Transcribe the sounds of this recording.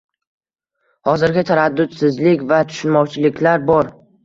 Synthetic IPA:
hɒzɪɾɡʲɪt̪ʰaɾad̪ːʊt̪sɪzlɪkʲvat̪ʰʊ̥ʃɪnmɒwt͡ʃʰɪlɪkʲlaɾbɒɾ

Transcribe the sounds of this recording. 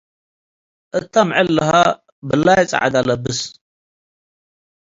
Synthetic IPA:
ʔɨt̪ʰːamʕɨlːɐha | bɨlːajt͡sʼɐ̰ʕa̰d̪alɐbɨs

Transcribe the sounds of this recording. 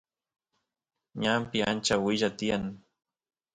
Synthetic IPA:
ɲampɪant͡ʃawɪʒat̪ɪjaŋ

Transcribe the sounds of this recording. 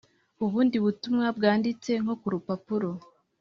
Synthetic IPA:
uβuːndiβutumŋabɡaːndit͡se̞ŋho̞kuɾupapuɾo̞

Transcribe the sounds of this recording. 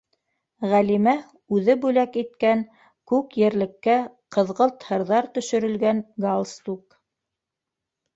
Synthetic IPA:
ʁælimæ | ʉðɘbʉlækit̪̚kæŋ | kʉkjɘ̆ɾlɘ̆kːæqɤ̆ðʁɤlˠt̪hɤ̆ɾðɑɾt̪ɵ̆ʃɵ̆ɾɵ̆lɡæŋɡalˠst̪uk

